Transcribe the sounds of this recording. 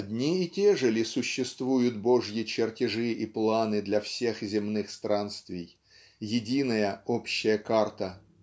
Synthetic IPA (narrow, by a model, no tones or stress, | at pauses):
ɐdʲnʲiɪtʲeʐəlʲɪsʊɕːɪst̪vujʊt̪̚boʐjɪt͡ɕɪrtʲɪʐɨʔiplˠanɨd̪lʲɐfsʲe̞xzʲɪmnɨxst̪ɾanst̪vʲɪj | jɪdʲinəjəopɕːɪjəkart̪ə